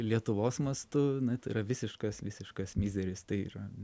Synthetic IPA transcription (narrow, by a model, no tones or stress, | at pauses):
lʲiɛt̪ʊʋoːsmɐst̪ʊnɐt̪ɐɪɾɐʋʲɪsʲɪʃkɐsʋʲɪsʲɪʃkɐsmʲiːzʲɛɾʲɪst̪ɐɪḭːɾɐ